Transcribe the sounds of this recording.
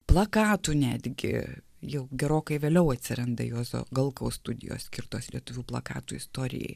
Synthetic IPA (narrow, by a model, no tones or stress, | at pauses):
plˠɐkɑːt̪uːnʲæːd̪ʲɡʲɪ̰ | jɛʊɡʲɛɾoːkɐɪʋʲeːlʲɛʊɐt̪ʲsʲɪɾɐnd̪ɐjoːso̰ːɡɐlˠkɐʊsst̪ʊd̪ʲɪ̰jo̰ːssʲkʲɪɾt̪oːslʲiɛt̪ʊʋʲuːplˠɐkɑ̰ːt̪uːɪst̪oːɾʲɪ̰jɛ̰ɪ